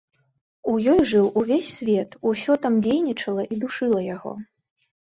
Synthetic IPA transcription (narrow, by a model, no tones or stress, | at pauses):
ujɔjʐɨwuvʲesʲsʲvʲɛt̪usʲɔt̪amd͡zʲejnʲit͡ʂɐlˠɐʔid̪uʂɨlˠɐjaɣɔ̰